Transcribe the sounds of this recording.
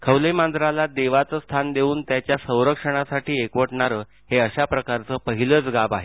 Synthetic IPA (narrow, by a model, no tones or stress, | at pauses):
kʰəwləjmand̪ɾalad̪eʋat͡səst̪ʰand̪euːnt̪jat͡ɕjasə̃w̃ɾəkʂəɽ̃asaʈiːekʋəʈɳaɾəː | heəɕapɾəkaɾt͡səːpəɦiləːt͡sɡabaɦe